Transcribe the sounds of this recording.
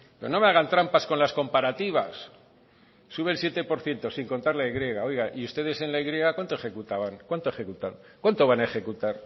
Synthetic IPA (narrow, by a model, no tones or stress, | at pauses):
pono̞meaɣ̞ant̪ɾampasko̞nlasko̞mpaɾat̪iβ̞as | uβelsjet̪e̞po̞ɾθje̞nt̪o̞siŋko̞nt̪aɾlaeɣɾje̞ɣao̞jɣaʔiust̪e̞ð̞e̞se̞nlaiɣɾije̞ɣ̞akwant̪oexe̞kut̪aβaŋkwant̪oe̞xe̞kut̪aŋ | kwant̪o̞β̞anaexe̞kut̪aɾ